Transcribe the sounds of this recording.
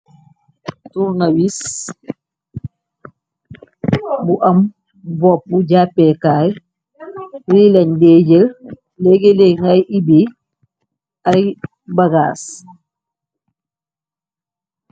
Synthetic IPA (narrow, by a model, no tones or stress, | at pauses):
tuɾnawis | buʔam | bɔp̚ːuɟapːɛkaːj | wilandeːɟel | leɡeleŋɡajʔibi | aj | baɡaːs